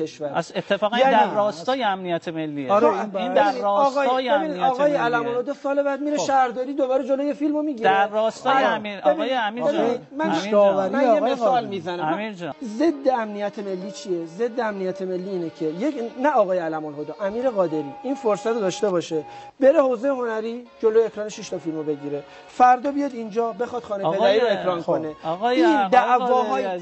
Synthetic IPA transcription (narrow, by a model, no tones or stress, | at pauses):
kʰe̞ʃvæɾset̪ʰːefɒːɣænjænæiɾːɒːst̪ɒːjeæmnijæt̪ʰemelːiːeɾebeæinidɒːɣɒːjeeinid̪ɒːɣɒːjeælæmonhod̪ɒsɒːle̞βæd̪̚miɾeʃæhɾd̪ɒːɾiːd̪o̞bɒːɾed͡ʒolojefilmo̞miɟidɾeːɒːst̪ɒibebijeæmienid̪mænevæɾmæjemeesɒːlmizænæmmiɾd͡ʒze̞d̪ːeæmnijæt̪ʰeme̞lːiːt͡ʃʰije̞ze̞d̪ːeæmnijæt̪ʰe̞me̞lːiːnecʰe̞jenæɒːɣɒːjeælæmonhod̪ɒːʔæmiːɾeɣɒːd̪e̞ɾiːinfoɾsæt̪ʰod̪ɒʃt̪e̞bɒːʃebe̞ɾe̞hozejeɦo̞næɾiːd͡ʒo̞lojeecɾɒːneʃiʃt̪ʰɒfilmobe̞ɟiɾe̞ | fæɾd̪ɒːbijɒd̪ind͡ʒɒːbe̞xɒd̪̥xɒːnepe̞d̪æɾiːɾoekʰɾɒːnkʰo̞neiːnd̪æʔvɒːɦɒːj